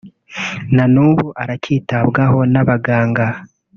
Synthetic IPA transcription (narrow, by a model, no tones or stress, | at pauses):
nanuːβuʔaɾaciːtaβɡaho̞naβaɡaːŋɡa